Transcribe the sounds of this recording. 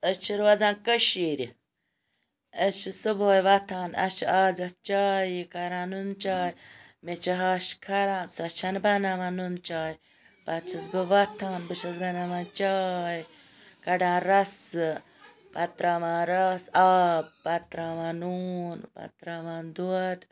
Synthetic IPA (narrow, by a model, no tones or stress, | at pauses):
ət͡ʃʰiɾʋɐd͡zãːnkəʃiːɾi | ət͡ʃʰisɨboːjʋɐt̪ʰaːnɐ̰t͡ʃʰaːzɐht͡ʃaːjikaɾãːnunt͡ʃaːjmet͡ʃʰiɦaːʃkʰɐɾãːsɐt͡ʃʰanbɐnaʋãːnunt͡ʃaːji | bɐt͡ʃʰɐzbɨʋɐt̪ʰaːnbɨʃɐzbɐnamaːnt͡ʃaːj | kɐɖãːɾɐs | pɐt̪ɾaːʋãːɾɐsaːb̚bɐt̪ɾaːʋaːnuːnbɐ̰t̪ɾaːʋaːnd̪uɐt̪